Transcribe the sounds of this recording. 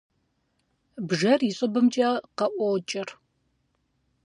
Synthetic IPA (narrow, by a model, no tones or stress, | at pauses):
bʒɐriɕʼɨbɨmt͡ʃʼaːqɐʔʷɔwt͡ʃʼɪr